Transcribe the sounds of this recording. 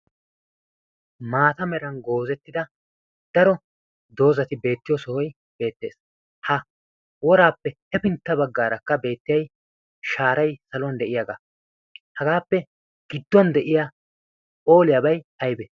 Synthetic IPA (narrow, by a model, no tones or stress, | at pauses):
maːt̪ɐmɛɾɐnɡo̞ːzɛt̪ːɪd̪ɐ | d̪̥ɐɾɔ | d̪o̞ːzɐt̪ɪbe̞ːt̪ːɪjɔsɔhɔj | be̞ːt̪ːe̞ːs | hɐ | wɔɾaːpːɛhɛpɪnt̪ːɐbɐɡːaːɾɐkːɐbe̞ːt̪ːɪjɐj | ʃaːɾɐjsɐlɔnd̪ɛʔɪjɐɡa | hɐɡaːpːɛ | ɡ̥ɪd̪ːɔnd̪ɛʔɪja | ʔo̞ːlɪjɐbɐjhɐjbɛ